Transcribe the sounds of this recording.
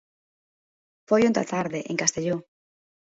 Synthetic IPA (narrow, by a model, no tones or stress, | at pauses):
fojont̪a̰t̪aɾðeʔeŋkast̪eʎo